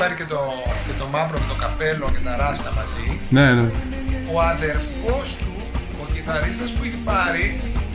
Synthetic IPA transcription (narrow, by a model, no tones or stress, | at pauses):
pɐɾicet̪o | cet̪o̞mɐpɾomet̪okɐpe̞locet̪ɐɾɐst̪ɐmɐzinene | oɐðe̞ɾfost̪u | ociθɐɾist̪ɐspuiçipɐɾi